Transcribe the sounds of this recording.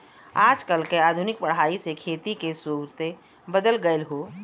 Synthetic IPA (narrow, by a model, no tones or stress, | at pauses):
aːd͡ʒkəlkeaːd̪ʱʊnɪk̚pəɽ̤aːisekʰeːt̪ikesuːɡɾt̪e | bəd̪əlɡəelɦoː